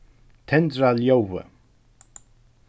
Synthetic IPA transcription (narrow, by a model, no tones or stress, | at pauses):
t̪ʰɛndɾaljowvə̰